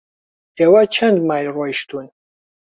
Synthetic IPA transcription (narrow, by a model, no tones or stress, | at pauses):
ɛwat͡ʃʰand̪majlrɔjʃt̪ʰun